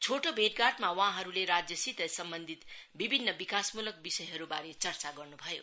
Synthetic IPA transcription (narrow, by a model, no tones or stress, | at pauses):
t͡sʰoʈobʱeʈɡaʈmawãɦʌɾuleɾad͡zjʌsit̪ʌsʌmbʌnd̪ʱit̪bibʱinːʌbikasmulʌk̚bisʌjɦʌɾubaɾet͡sʌrt͡saɡʌrnubʱʌjo̰